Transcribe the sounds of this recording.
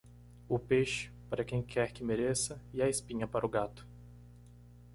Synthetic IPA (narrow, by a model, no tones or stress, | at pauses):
ʊpeʃɪ̥paɾɐkẽj̃kʰɛɾkɪmeɾesɐɪɐɪspĩɲɐpaɾʊɡat̪ʊ̥